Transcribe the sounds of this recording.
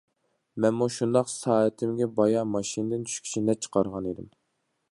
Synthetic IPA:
mɛnmuʃund̪ɑqsɑːɛt̪ʰɪmɡʲɛbɑjɑmɑʃinɨd̪ɨnt͡ʃʰy̥ʃkʲʰi̥t͡ʃʰinɛp̚t͡ʃʰə̥qʰɑɾʁɑned̪ɪm

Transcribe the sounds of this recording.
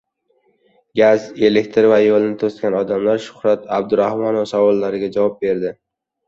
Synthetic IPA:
ɡʲaze̞lekʲt̪ʰɾvajolˠɪnɪt̪ʰost̪kʲanɒd̪amlaɾʃʊ̥hɾat̪ʰab̚d̪ʊɾahmɒnɒsawɒlˠːaɾɪɡʲad͡ʒavɒp̚be̞ɾd̪ɪ

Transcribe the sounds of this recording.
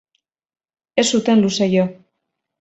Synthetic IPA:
e̞sut̪e̞nlusejo

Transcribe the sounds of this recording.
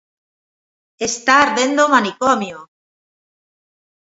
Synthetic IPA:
est̪aɾβend̪omanikɔmjo

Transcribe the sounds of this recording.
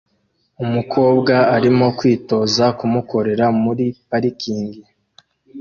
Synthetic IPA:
umukʰo̞ːbɡaaɾimo̞kwiːto̞ːzakumuko̞ɾe̞ɾamuɾipaɾikiːŋɡi

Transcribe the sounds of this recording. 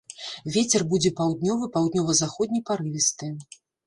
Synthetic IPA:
vʲet͡sʲɛrbud͡zʲɛpawd̪nʲɔvɨpawd̪nʲɔvɐzaxɔd̪̚ʲnʲɐjpaɾɨvʲist̪ɨ

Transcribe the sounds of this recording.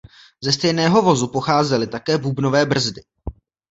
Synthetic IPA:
zɛst̪ɛjnɛːɦo̞vo̞zupo̞xaːzɛlɪt̪akɛːbubno̞vɛːbr̩zdɪ

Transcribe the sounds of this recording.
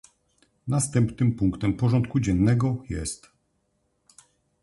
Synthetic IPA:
nast̪ɛmpnɘmpuŋkt̪ɛmpɔʐɔnt̪kud͡ʑɛnːɛɡɔjɛ̰st̪

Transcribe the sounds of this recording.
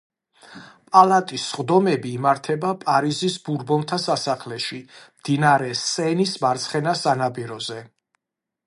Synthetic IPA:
pʼalˠat̪ʼisːχd̪ɔmɛbiːmaɾt̪ʰɛbapʼaɾizisbuɾbɔnt̪ʰasasaχlɛʃimd̪̥inaɾɛsʼɛnismaɾt̪sʰχɛnasanapʼiɾɔzɛ

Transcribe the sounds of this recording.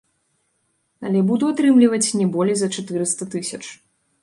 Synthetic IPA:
ɐlʲɛbud̪uat̪ɾɨmlʲivɐt͡sʲnʲɛbɔlʲijzɐt͡ʂat̪ɨɾɨst̪ɐt̪ɨsʲɐt͡ʂ

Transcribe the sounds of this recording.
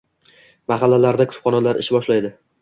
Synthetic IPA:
maχɑlːalaɾd̪akʰʊ̥t̪ʊ̥pχɒnalaɾɪ̰ʃɪbɒʃlajd̪ɪ

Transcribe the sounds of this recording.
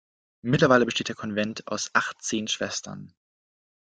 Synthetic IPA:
mɪtlɐvaɪləbəʃteːt̚d̥eːɐkʰɔnvɛntʰa̰ʊsʔaχtt͡seːnʃv̥ɛstʰɐ̰n

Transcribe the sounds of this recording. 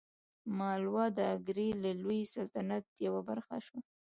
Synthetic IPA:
mɑlwɑd̪əaɡɾelalujsalt̪anat̪̚jawabaɾxa̰ʃwa

